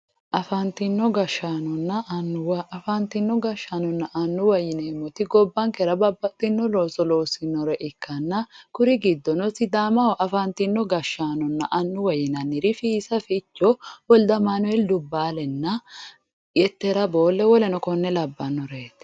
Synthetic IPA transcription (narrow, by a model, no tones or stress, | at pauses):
ʔɐfɐnt̪ɪnːɔɡɐʃaːnɔnːɐnːɐfant̪ɪnːɔɡɐʃanɔnːɐʔɐnːʊwɐjɪneːmːɔt̪ɪɡɔbːɐŋkɛɾɐbɐbːɐt̪ʼːɪnːɔloːsɔlo̞ːsɪnːɔɾɛʔɪkːɐnːɐkʊɾɪɡɪd̪ːɔnɔsɪd̪aːmɐwɔʔɐfɐnt̪ɪnːɔɡɐʃːaːnɔnːɐʔɐnːʊwɐjɪnɐnːɪɾɪfiːsɐfɪːt͡ʃːɔwɔld̪ɐmaːnʊɛld̪ʊbːaːlɛnːɐ | jɛt̪ːɛɾɐbo̞ːlːɛwɔlɛnɔkɔnːɛlɐbːɐnːɔɾeːt̪